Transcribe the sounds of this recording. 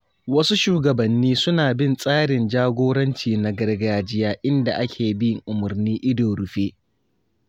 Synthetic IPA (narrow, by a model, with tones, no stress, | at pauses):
wɐ˦su˦ʃuː˦ɡɐ˨bɐ˨nːiː˦sʊ˦naː˨bɪ˦˨nsʼaː˦ɽɪ˨nd͡ʒaː˦ɡʷoː˦ɽɐ˦nt͡ʃiː˨na˨ɡɐ˦rɡaː˨d͡ʒɪ˦jaː˦ʔɪ˦nda˨ʔa˦kʲʰeː˨bɪ˦jɪ˨ŋʔʊ˨mʊ˨rniː˦ʔɪ˦doː˨ɽʊ˨ɸeː˦